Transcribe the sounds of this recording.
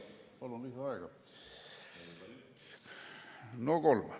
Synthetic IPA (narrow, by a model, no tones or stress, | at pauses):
pɑlonlisɑɑikɑ | nokolme